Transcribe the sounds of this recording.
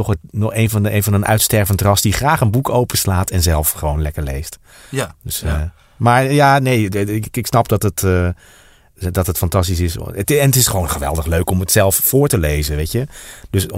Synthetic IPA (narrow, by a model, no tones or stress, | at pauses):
tɔχənɔχejnvɑnejnvɑnənʔœ̰ɥtstɛɹvəntrɑsdiχraːχənbukʰowpəslaːtʰɛnzɛlˠfχəʋownlɛkəɹlejst | døs | maːɹjaːnejɪɪksnɑpdɔtətː | dɔtɦətfɑntɑstis̬ɪstɛnətɪsχʋoːwnχəʋɛ̰lˠdəχløɥkɔmətsɛlˠffʊːɹtəlejzəʋejtjədøs